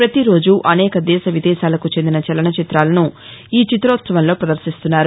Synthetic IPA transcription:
pɾɐt̪iɾo̞ːd͡ʒuʔɐnɛːkɐd̪ɛːʃɐʋid̪ɛːʃaːlɐkut͡ʃe̞nd̪inɐt͡ʃɐlɐɳɐt͡ʃit̪ɾaːlɐnu | iːt͡ʃit̪ɾoːt̪sɐʋɐnlo̞ːpɾɐd̪ɐɾʃist̪unːaːɾu

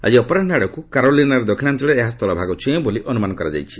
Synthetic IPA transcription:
a̰d͡ʒiɔpɔɾaʈʰnaɽɔkukaɾolinaɾɔd̪ɔkʰinant̪ɔɽeːɦast̪ʰɔlɔbʱaɡɔt͡ʃʰẽboliʔɔnumanɔkɔɾad͡ʒa̰jt͡ʃʰi̥

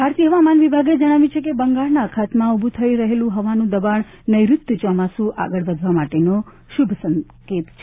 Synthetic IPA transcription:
bʱaɾt̪iɦəʋamanʋibʱaɡed͡ʒəɽ̃aʋjĩt͡ʃʰek̬ebəŋɡaɭnaəkʰat̪mãubʱut̪ʰəiɾəɦelũɦəʋanũd̪əbaɳ | nəjɾʊt̪jət͡ʃɔmasũʔa̰ɡəɭbəd̪ʱʋamaʈeno | ʃubʱsə̃ŋket̪t͡ʃʰe

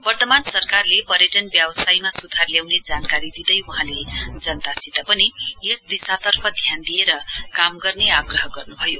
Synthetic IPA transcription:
bʌrt̪ʌmansʌrkarlepʌɾjeʈʌnbjabsajmasud̪ʱarljawned͡zankaɾid̪id̪ʌjuɦãled͡zʌnt̪asit̪apʌnijesd̪isat̪ʌrpʰʌd̪ʱjand̪ijeɾʌkamɡʌrneaɡrʌɦʌɡʌrnubʱʌjo

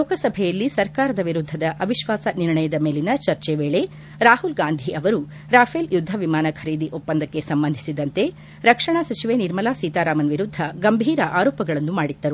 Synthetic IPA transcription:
lɔːkɐsɐbʱɛjɐlːisɐɾkaːɾɐd̪ɐʋiɾud̪ʱːɐd̪ɐʔɐʋiʃʋaːsɐniɾɳɐjɐd̪ɐme̞ːlinɐt͡ʃɐɾt͡ʃeʋeːɭe̞ | ɾaːhulɡaːnd̪ʱiʔɐʋɐɾu | ɾaːfʰeljud̪ʱːɐʋimaːnɐkʰɐɾiːd̪iʔopːɐnd̪ɐkːe̞sɐmbɐnd̪ʱisid̪ɐnt̪e̞ | ɾɐkʂɐɳasɐt͡ʃiʋeniɾmɐlaːsiːt̪aːɾaːmɐnʋiɾud̪ʱːɐɡɐmbʱiːɾɐʔaːɾɔːpɐɡɐɭɐnːumaːɽid̪ːɐɾu

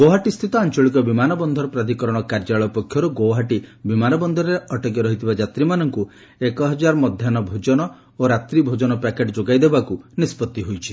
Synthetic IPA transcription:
ɡowɦaʈist̪ʰit̪ɔant͡ʃɔɭikɔbimanɔbɔnd̪ʱɔɾɔpɾad̪ʱikɔɾɔɽ̃ɔkaɾd͡ʒaɭɔpɔkʰːjɔɾuɡowɦaʈibimanɔbɔnd̪ʱɔɾɔɾeʔɔʈɔɡjɔɾɔɦit̪ʰibad͡ʒat̪ɾimanɔŋku | ekɔɦɔd͡ʒaɾɔmɔd̪ʱjanɔbʱod͡ʒɔnɔ | oɾat̪ɾibʱod͡ʒɔnɔpakeʈd͡ʒoɡajd̪ebakunispɔt̪ːiɦojt͡ʃʰi

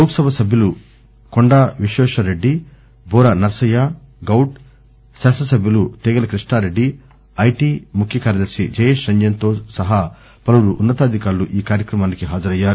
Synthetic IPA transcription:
lɐwksɐbʱɐsɐbʱjɐlu | koɳɖaːʋiʃɛːʃɐɾe̞ɖːi | bʱɔːɾɐnɐɾsɐjaː | ɡɐwʈ | saːsɐsɐbʱjɐlut̪eːɡɐlɐkɾiʂɳaːɾe̞ɖːi | ɐjʈiːmukʰjɐkaːɾjɐd̪ɐɾsid͡ʒɐjeːʃɾɐɲd͡ʒɐnt̪o̞ːsɐɦɐ | pɐluɽuʔːnːɐt̪aːd̪ʱikaːɾluʔiːkaːɾjɐkɾɐmaːnikiɦaːd͡ʒɐɾɐjːaːɾu

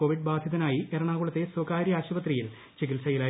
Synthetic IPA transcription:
oʋiɖbaːd̪ʱjɐðɐnaːjieɾɐɳaːɣuɭɐt̪ːeswoːkaːɾjaːɕuʋɐt̪rijil | t͡ɕik̬ilsɐjilaː

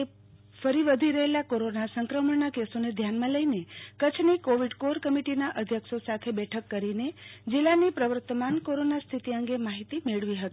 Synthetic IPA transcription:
e | fəɾiʋəd̪ʱiɾəɦelakoɾonasəŋkɾəməɳnakesoned̪ʱjanmãləinekət͡ʃʰnikoʋiɖkoɾkəmiʈinaʔəd̪ʱjəksosat̪ʰebɛʈʰəkːəɾined͡ʒilːanipɾəʋəɾt̪əmankoɾonast̪ʰit̪iəŋɡemaɦit̪imeɭʋiɦət̪i̥

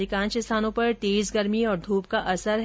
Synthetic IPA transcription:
lɪkãːnt͡ʃɪst̪aːnõpɐɾt̪eːzɡɐɾmiɔːɾd̪ʱuːp̚kaʔɐsəɾɦ

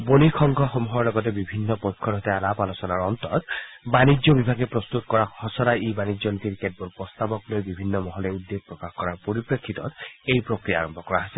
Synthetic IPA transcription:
bonikʰɔŋɡʱɔxomuɦɔɹlɔɡɔt̬ebibʱinːɔpɔjkʰːɔɾɔɦɔt̪ɛalapalɔsɔnaɹɔnt̪ɔ̰t̪ | banid͡ʒɔbibʱaɡɛpɹɔst̪ut̪̚kɔɹaɔsɔɾaibanid͡ʒɔnit̪iɾked̚bɔlpɔst̪abɔklojbibʱinːɔmɔɦɔlɛud̪ːeɡ̚pɹɔkaxkɔɹaɹpoɹipɹekʰːit̪ɔt̪ejpɹokɹijaːɹɔmbʱɔkɔɹaɦasɛl

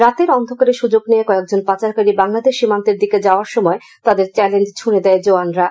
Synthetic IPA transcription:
ɾat̪eɾɔnd̪ʱokaɾeʃud͡ʑoɡniekɔek̚d͡ʑonpat͡ɕaɾkaɾibaŋlad̪eʃːimant̪eɾd̪iked͡ʑaoaɾʃɔmɔe | t̪ad̪eɾt͡ɕɛlend͡ʑt͡ɕʰuned̪ɛed͡ʑoanɾa

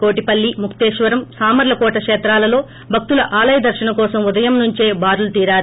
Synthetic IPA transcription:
ko̞ːʈipɐlːimukʰt̪eːʃʋɐɾɐmsaːmɐɾlɐkɔːʈɐkʂɛːt̪ɾaːlɐlo̞ː | bʱɐk̚t̪ulɐʔaːlɐjɐd̪ɐɾʃɐɳɐkɔːsɐmud̪ɐjɐmnuɲt͡ʃe̞ːbaːɾulut̪iːɾaːɾu

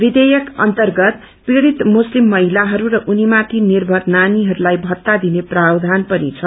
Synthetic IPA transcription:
bid̪ejʌkʌ̰nt̪ʌrɡʌt̪ | piɽit̪muslimːʌɦilaɦʌɾuɾʌʔunimat̪ʰinirbʱʌrnaniɦʌɾulajbʱʌt̪ːad̪ineprawd̪ʱanpʌnḭt͡sʰʌ

